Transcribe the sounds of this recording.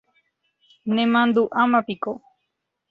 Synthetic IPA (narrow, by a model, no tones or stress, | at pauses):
nẽmãnd̪uʔamãpiko